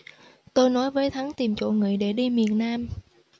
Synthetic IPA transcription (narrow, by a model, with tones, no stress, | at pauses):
t̪o˧jnɔ˨˦jvəː˨˦jt̪ʰa˨˦ŋt̪i˨˩mt͡ɕo̰˧˨ŋɨ̰˨˧˨əjɗe˧˩ɗi˧mi˨˩ənːaː˧m